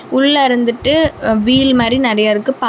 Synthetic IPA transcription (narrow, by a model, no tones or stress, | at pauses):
ʊɭːɐɾɯnd̪ɯʈːɯʋiːɭmaːd̪ɾinɪɾɐjaɾɯkːɯpa